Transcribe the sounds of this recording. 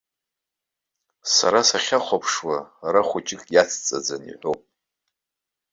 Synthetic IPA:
sa̰ɾasaχʲaχʷapʰʂwaɾaχʷʊt͡ʃʼɪkʼjat͡sʰt͡sʼa̰d͡zanḭħʷowpʼ

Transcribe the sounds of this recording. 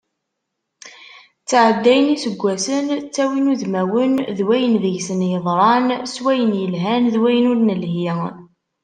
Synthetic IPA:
t͡sːaʕəd̪ːæjənisəɡʷːæsənt͡sːæwinuðmæwənðwæjənðəʝsənjəðˤɾˤɑnswæjənjəlɦænðwæjənʊɾnəlhjə

